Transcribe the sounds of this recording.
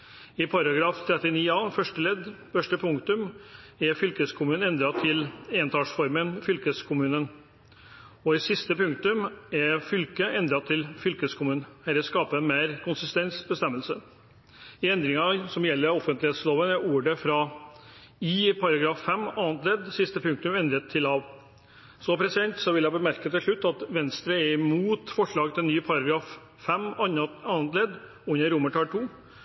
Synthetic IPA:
ɪpʰɑɾɑɡɾɑːft̪ʰɾɛt̪ːɪniːɑːfœʂʈəlɛd̪ | fœʂʈəpʰʊŋkt̪ʉmɛɾfʏlkəskʰʊmʉːnɛnd̪ɾɑt̪ʰɪleːənt̪ʰɑːʂfɔɾmənfʏlkəskʰʊmʉːnən | ɔɪsɪst̪əpʉŋk̚t̪ʉmɛɾfʏlkəʔɛnd̪ɾɑt̪ʰːɪlfʏlkəskʰʊmʉːnhæɾəskɑːpəmeːɾkʰʊnsɪst̪ɛnsbəst̪ɛmːəlsə | ɪɛnd̪ɾɪŋɑsɔmjɛlːəɾɔfənt̪lɪheːt̪sloːʋənɛuːɖəfɾɑ | iːpʰɑɾɑɡɾɑːfːɛmːɑːnt̪leːd̪sɪst̪əpʰʉŋkt̪ʉmɛnd̪ɾət̪ʰːɪlɑʋ | sɔpʰɾɛsɪd̪ɛnt̪sɔʋɪljæbəmæɾkət̪ɪlʂɭʉt̪ːɑt̪ʋɛnst̪ɾəɛɾɪmuːt̪fɔʂɭɑːɡt̪ʰɪɛnːyːpʰɑɾɑɡɾɑːf | fɛmɑnt̪leːd̪ | ʉnːəɾʊməʈʰɑːlʈ̪ʰuː

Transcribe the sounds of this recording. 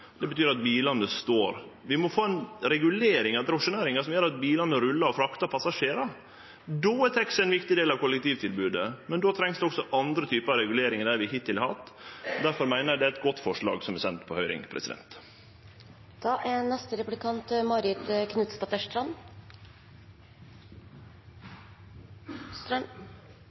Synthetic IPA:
d̪ɛbət̪ʰyːɾɑt̪biːlɑnːəst̪oːɾʋɪmɔfoːɛnɾɛɡʉleːɾɪŋɑd̪ɾʊʂʊneːɾɪŋɑsɔmjœɾɑt̪̚biːlɑnːəɾʉlːɑɾɔfɾɑkt̪ɑpʰɑsɑʂeːɾɑ | d̪oːæt̪ʰɛksɛnʋɪkt̪ɪd̪eːlɑʋkʊlɛk̚t̪iːʋt̪ʰɪlbʉːd̪əmɛnd̪oːt̪ʰɾɛŋsd̪ɛɔksɔʔɑnd̪ɾət̪ʰyːpəɾɑɾɛɡʉleːɾɪŋəd̪æɾʋɪɦɪt̪ʰːɪlhɑt̪ːd̪æɾfɔɾmæɪnəɾjæd̪ɛæɾɛt̪̚ɡɔt̪ːfɔʂɭɑ̰ːɡsɔmɛsɛnt̪pʰɔhœʏɾɪ̰ŋpʰɾɛ̰sɪd̪ɛ̰nt̪ | d̪̥ɑʔænɛst̪əɾɛplɪkʰɑnt̪mɑɾɪt̪kʰnʉt̪st̪ɑt̪əʂt̪ɾɑn

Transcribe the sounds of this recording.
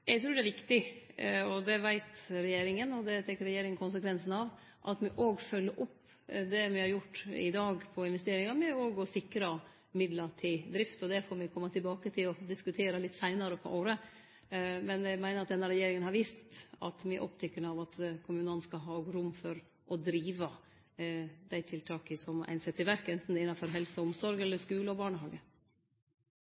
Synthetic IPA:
jɛɡt̪ʰɾʉːɖ̪ɛʋɪkt̪ɪ | ɔd̪ɛʋæɪt̪ɾɛjeːɾɪŋənɔd̪ɛt̪ʰɛkːəɾɛjeːɾɪŋənkʰʊnsəkʰʋɛnsn̩ɑʋ | ʔɑt̪mɪʔoːɡfœlːəɾʔʊpː | d̪ɛmɪhɑɾjʊʈːɪ̰d̪ɑːɡpʰɔɪnʋɛst̪eːɾɪŋɑɾmɛoːɡɔsɪkɾɑ | mɪd̪ləʈʰɪld̪ɾɪft̪ɔd̪ɛfɔɾmɪkʰɔmːət̪ʰɪlbɑːkət̪ʰɪlɔd̪ɪskʉt̪ʰeːɾəlɪt̪ːsæɪnɑɾəpʰɔ̰ʔoːɾə | mɛnjæmæɪnəɾɑt̪d̪ɛnːəɾɛjeːɾɪŋənhɑɾʋiːst̪ɑ̰t̪mɪʔɔpt̪ʰʏkːənɑʋɑt̪kʰʊmʉːnən̩skɑɦɑːɡɾʊmːfɔɾ | ʔɔd̪ɾiːʋə | d̪æɪt̪ʰɪlt̪ʰɑːkəsɔmæ̰ɪnsɛt̪ʰːɪʋæɾkːəɛnt̪n̩ɛɪnːɑfɔɾɦɛlsəʊmsɔɾɡɛlːəʂkʉːləɔbɑːɳəhɑːɡə

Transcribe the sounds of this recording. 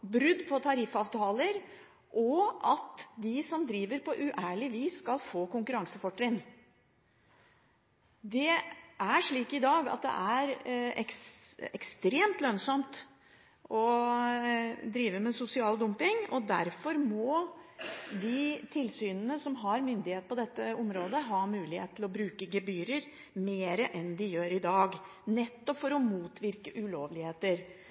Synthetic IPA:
bɾʏd̪ːpʰɔt̪ʰɑɾɪfɑːʋt̪ʰɑːləɾ | ʔɔʔɑt̪d̪ɪsɔmd̪ɾiːʋəɾpʰɔʔʉʔæːɭɪʋiːsːkɑlfoːkʊŋkʉɾɑŋsəfɔʈːɾɪn | d̪ɛʔæʂɭiːkɪd̪ɑːɡɑ̰t̪̚d̪ɛ̰ʔæɾɛ̰kɛ̰kst̪ɾeːmt̪lœnsɔmt̪ | ɔ | d̪ɾiːʋəmɛsʊsɪɑːld̪ʊmpɪŋɔd̪æɾfɔɾmɔ | d̪ɪt̪ʰɪlsyːnənəsɔmɦɑɾmʏnd̪ɪheːt̪̚pʰɔd̪ɛt̪ːəɔmɾoːd̪əɦɑːmʉːlɪhḛːt̪ʰːlɔbɾʉːkəɡɛbyːɾəɾ | meːɾəʔɛnd̪ɪjøːɾɪd̪ɑːɡ | nɛt̪ːɔpfɔɾɔmuːt̪ʰʋɪɾkəʔʉloːʋlɪheːt̪əɾ

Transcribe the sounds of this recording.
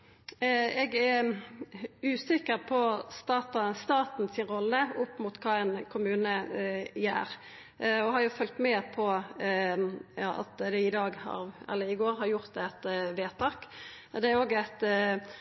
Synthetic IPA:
ɛɡæɾ | ʉːsɪkːəɾpʰɔst̪ɑːt̪ɑst̪ɑːt̪n̩sɪnɾɔlːəʊpːmʊt̪kʰɑːɛnkʰʊmʉːnəjæ̰ːɾ | ɔɦɑɾjʊfœlt̪mɛːpʰɔ | jɑːʔɑ̰t̪d̪ɛɪd̪ɑːɡhɑ̰ɾɛ̰lːəɪɡoːɾhɑɾjʊʁt̪̚d̪ɛɛt̪ʋeːt̪ʰɑːk | d̪ɛæɾoːɡæɪt̪

